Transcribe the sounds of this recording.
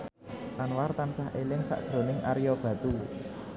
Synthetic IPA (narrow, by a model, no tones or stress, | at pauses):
lanwart̪ansaɦelɪŋsa̰ʔd̥ʒ̥ɾo̤nɪŋʔa̰ɾijɔb̥ä̤t̪u